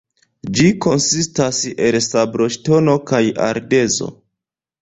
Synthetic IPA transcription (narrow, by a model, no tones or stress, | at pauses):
d͡ʒiko̞nsistase̞lsabɾo̞ʃto̞no̞kaja̰ɾde̞zo̞̰